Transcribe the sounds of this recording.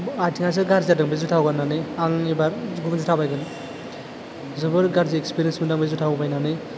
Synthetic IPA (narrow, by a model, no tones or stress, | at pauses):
ajtʰiŋajs̬ɯɾɡaɾzadɯŋbezutʰawɡanːaneaŋibaɾɡumnzɯtʰabajɡɯn | zɯbɯɾɡaɾziekspiɾiensmɯdaŋbezutʰawbajnanɯ